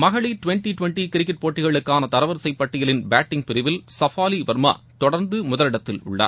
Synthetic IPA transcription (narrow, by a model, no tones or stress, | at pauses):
mɐɣɐɭiʈʋɛɳʈiʈʊʋɛɳʈikɪɾɪkːɪʈ̚poːʈːɪɣɐɭɯkːaːnɐt̪ɐɾɐʋɐɾsɐɪpːɐʈːɪjɐlɪnbaːʈːɪŋ̚pɪɾɪʋɪlsɐfaːliʋɐɾma̰ː | t̪ɔɽɐɾnd̪ɯmʊðɐlɪɽɐt̪ːɪlʊ̰ɭːɐ̰